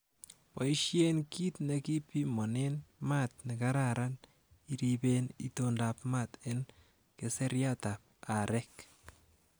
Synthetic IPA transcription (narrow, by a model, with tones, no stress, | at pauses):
pa˨iʃje˦nki˦tnɛ˧ki˦pi˦mɔ˨ne˦nma˦t̪̚ne˨ka˦ɾaɾan | iɾibenḭ˨tondapmat̪ɪ˦n | kese˦ɾja˦ta˨p̚a˨ɾɛk